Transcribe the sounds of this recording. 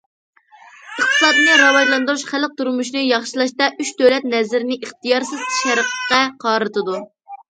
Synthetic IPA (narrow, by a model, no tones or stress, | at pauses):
əχt̪ʰɨ̥sɑd̪ɨnɨɾɑwɑjlˠɑnd̪uɾuʃχælq̚t̪uɾmuʃnɨjɑχʃilˠɑʃt̪ɑʔyt͡ʃd̪øwlɛt̪̚nɛzɪɾɪnɪʔiχt̪ijɑɾsɨz̥ʰʃæɾəqʰqɑqʰɑːɾɨt̪ʰɨd̪u